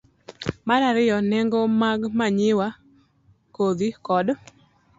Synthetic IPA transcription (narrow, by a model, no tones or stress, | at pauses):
maɾaɾɪjɔnɛŋɡomaɡmaɲɪwa | kod̪ikɔd